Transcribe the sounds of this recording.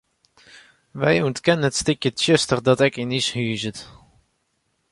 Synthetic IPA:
ʋɛjuntkɛnənətstɪkjətʃøstərdɔtɛkinishyːzət

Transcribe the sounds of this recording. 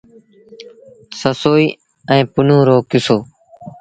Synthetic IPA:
səsoːiː | ɛ̃ːpʊnõːɾoːkʊsoː

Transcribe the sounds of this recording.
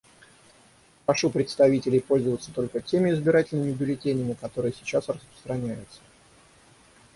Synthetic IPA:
pɾɐʂupɾʲɪt̪st̪ɐvʲitʲɪlʲɪjpo̞lʲzəvət̪sət̪o̞lʲkətʲemʲɪɪzbʲɪɾatʲɪlʲnɨmʲɪʊb̪ʲɪlʲɪtʲenʲɪjmʲɪkɐt̪o̞ɾɨjəsʲɪt͡ɕasrəspɾə̥st̪ɾɐnʲæjʊt̪sə̥

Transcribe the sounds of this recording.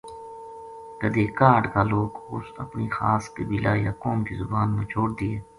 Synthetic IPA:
kɐd̪eːkaːɖkaːloːɡʊsɐpniːxa̰ːskəbilaːjaːkoːmkizʊbaːnmẽːt͡ʃʰoːɽd̪ɪeː

